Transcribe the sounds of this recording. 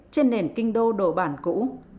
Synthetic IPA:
t͡ɕe˧nːe˨˩nkï˧ŋ̟ɗo˧ɗo˧˩ɓaː˧˩nkṵ˧˥

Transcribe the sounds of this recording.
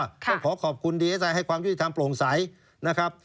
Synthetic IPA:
tɔ˥˩ŋkʰɔː˩˦kʰɔː˨˩p̚kʰu˧ndiː˧e˦˥sa˧jɦa˥˩jkwaː˧mju˦˥˩ti˨˩t̪ʰa˧mplo˨˩ŋsa˩˦j | na˦˥kʰɾa˦˥p̚

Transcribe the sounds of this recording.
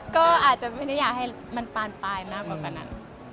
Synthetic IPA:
kɔː˥˩ʔaː˨˩t̪̚t͡ɕa˨˩ʔma˥˩˨dɯ˥˩jaː˨˩k̚ha˥˩j | ma˧npaː˧npaː˧jmaː˥˩kwaː˨˩kaː˨˩na̰˦˥˩n

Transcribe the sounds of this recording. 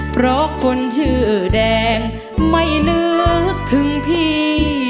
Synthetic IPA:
pʰɾɔ˦˥kʰo˧nt͡ɕʰɯː˧˩ʔːdɛː˧ŋ | ma˧˩jnɯː˧˥t̪ʰɯ˨˦ŋpʰiː˧˥˩

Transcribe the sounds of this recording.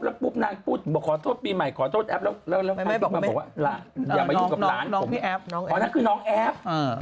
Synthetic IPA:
plɛ˦˥wpuː˦˥˩p̚naː˧ŋpʰuː˥˩t̪̚ʰɓɔː˨˧˩kʰɔː˨˩˦t̪ʰoː˥˩t̪̚piː˧ma˨˩jkʰɔː˨˩˦t̪ʰoː˥˩t̪ʔɛ˦˥p̚lɛː˦˥wlɛː˦˥˩wlɛː˦˥˩wʰm˧ɔ˨˩˦waː˥˩laː˨˦njaː˨˩ma˧uː˥˧˦ka˨˩laː˦˨˦nʰ˦o˦i˧˦˥ɔː˨˦naː˦˥kʰɯː˧nɔː˦˥ŋʔɛ˦˥p̚ː

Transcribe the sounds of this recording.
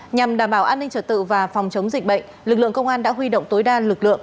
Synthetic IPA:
ɲa˨˩mɗaː˧˩mɓaː˧˩wʔaː˧nːi˧ŋt͡ɕəː˧˩t̪ɨ̰˧˨vaː˨˩fɔ˨˩wŋ͡mt͡ɕə˨˦wŋ͡mzi˨˩k̚ɓə̰˧˨ŋ̟lɨ˨˩k̚lɨ̰˧˨əŋkə˧wŋ͡mʔaː˧nɗa̰ː˧˥ɦwi˧ɗo̰˧˨wŋ͡mt̪o˨˦jɗaː˧lɨ˨˩k̚lɨ̰˧˨əŋ

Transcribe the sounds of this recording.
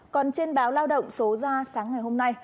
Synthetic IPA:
kɔ˨˩nt͡ɕe˧nɓaː˨˦wlaː˧wɗə̰˧˨wŋ͡mso˨˦zaː˧saː˨˦ŋːa˨˩jɦo˧mna˧j

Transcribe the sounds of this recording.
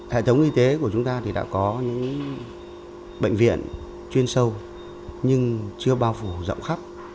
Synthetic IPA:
hḛ˧˨t̪ʰə˨˦wŋ͡mʔi˧t̪e˨˦ku˧˩ət͡ɕʊ˨˦ŋ͡mt̪aː˧t̪ʰi˨˩ɗa̰ː˧˥kɔ˨˦ɲɨ̰˧˥ŋ | ɓə̰˧˨jŋ̟vḭ˧˨ən | t͡ɕwi˧ənsə˧w | ɲɨ˧ŋt͡ɕɨ˧əɓaː˧wfu˧˩zə̰˧˨wŋ͡mxa˦˥p̚

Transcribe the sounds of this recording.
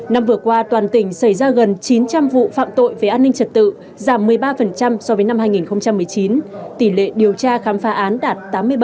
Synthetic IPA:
na˧mvɨ˨˩əkwaː˧t̪waː˨˩nt̪ï˧˩ŋ̟sə˧˩jzaː˧ɣə˨˩nt͡ɕi˨˦nt͡ɕa˧mvṵ˧˨fa̰ː˧˨mt̪o̰˧˨jve˨˩ʔaː˧nːï˧ŋ̟t͡ɕə˨˩t̚t̪ɨ̰˧˨ | zaː˧˩mːɨ˨˩əjɓaː˧fə˨˩nt͡ɕa˧msɔ˧vəː˨˦jna˧mhɦaː˧jŋi˨˩nxə˧wŋ͡mt͡ɕa˧mːɨ˨˩əjt͡ɕi˨˦nt̪i˧˩lḛ˧˨ɗi˨˩əwt͡ɕaː˧xaː˨˦mfaː˨˦ʔaː˨˦nɗaː˨˩t̚t̪aː˨˦mːɨ˧əjɓ

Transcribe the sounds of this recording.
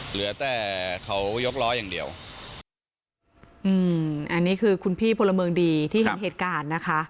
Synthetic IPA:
lɯ˩˦ɐt̪ɛː˨˩kʰa˦˥wjo˦˥k̚lɔː˦˥jaː˨˩ŋdi˨˩əw | ʔɯː˧mʔa˧nːiː˦˥kʰɯː˧kʰu˧npʰiː˥˩pʰo˧la˧mɤː˧ŋdiː˧t̪ʰiː˥˩hnɦeː˨˩t̪̚kaː˧nːa˦˥kʰa˦˥ʔ

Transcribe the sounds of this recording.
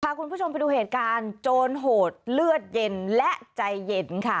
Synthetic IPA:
kʰa˧˩ku˧npʰuː˥˩o˧mpa˧jduː˧˩heː˨˩t̪̚kaː˧nt͡ɕoː˧nɦoː˨˩t̪̚lɯ˥˩ət̪̚je˧nlɛ˦˥ʔt͡ɕa˧jːe˧nkʰa˥˩

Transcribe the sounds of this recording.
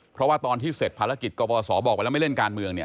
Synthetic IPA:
pʰɾɔ˦˥waː˥˩t̪ɔː˧nt̪ʰiː˥˩se˨˩t̪̚pʰaː˧ɾa˦˥ki˨˩t̪̚kɔː˧pɔː˧sɔː˩˦bɔː˨˩pa˧lma˥˩jle˥˩nkaː˧nmɯ˧əŋni˥˩

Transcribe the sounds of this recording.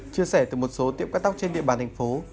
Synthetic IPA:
t͡ɕɨ˧əsɛ˧˩t̪ɨ˨˩mo˨˩t̚so˨˦t̪ḭ˧˨əmka˦˥k̚t̪a˦˥k͡p̚t͡ɕe˧nɗḭ˧əɓaː˨˩nt̪ʰjŋ̟fo˨˦

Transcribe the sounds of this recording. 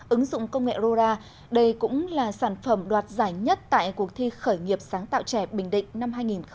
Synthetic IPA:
ʔɨ˨˦ŋzʊ̰˧˨ŋ͡mkə˧wŋ͡mŋḛ˧˨zo˧zaː˧ | ɗə˧jkʊ̰˧˥ŋ͡mlaː˨˩saː˧˩nfə˧˩mɗwaː˨˩t̚zaː˧˩jɲə˦˥t̚t̪a̰ː˧˨jku˨˩ək̚t̪ʰi˧xəː˧˩jŋi˨˩əp̚saː˨˦ŋt̪a̰ː˧˨wt͡ɕɛ˧˩ɓï˧˩ŋ̟ɗḭ̈˧˨ŋ̟na˧mɦaː˧jŋi˨˩nx

